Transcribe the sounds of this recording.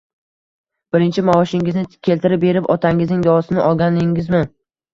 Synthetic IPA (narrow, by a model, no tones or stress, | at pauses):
b̥ɪɾɪnt͡ʃʰɪmaɒʃɪŋɪznɪkʲʰe̞lt̪ʰɪɾɪp̚be̞ɾɪpɒt̪ʰaŋɪznɪŋd̪ɒsɪnɪʔɒlˠɡʲanɪŋɪzmɪ